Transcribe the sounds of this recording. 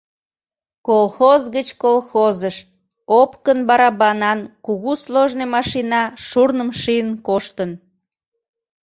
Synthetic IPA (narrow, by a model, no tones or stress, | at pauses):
kolxozɣət͡ɕkolˠxozəʃ | opkənbɑɾɑbɑnɑnkuɣusloʒnemɑʃinɑʃurnəmʃijənkoʃt̪ən